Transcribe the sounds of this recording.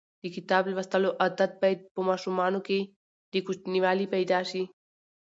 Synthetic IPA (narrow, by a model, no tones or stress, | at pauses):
d̪əkɪt̪ɑːblaʋəst̪əloʔad̪at̪̚paj̪pəmɑʃumɑnoke | d̪əkʊt͡ʃniwɑlipajd̪aʃi